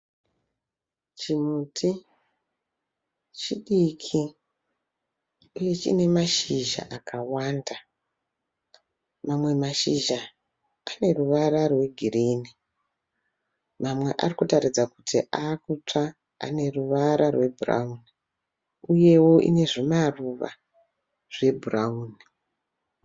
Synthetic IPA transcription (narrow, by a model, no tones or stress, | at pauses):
t͡ʃimuːtʰi | t͡ʃiɗikʰi | uje̞t͡ʃḭne̞maʃiʒa̰ʔakʰawaːnda | mamwe̞maʃiʒa | ane̞ruʋaɾarwe̞ɡʱiriːni | mamwe̞̰ʔa̰rikutaɾid͡zakutḭʔakut͡ʂa | a̰ne̞ruʋaɾʔarwe̞bʱura̰uni | uje̞wo̞ʔḭne̞ʐemaruʋa̰ | ʐ̥e̞bʱurauːni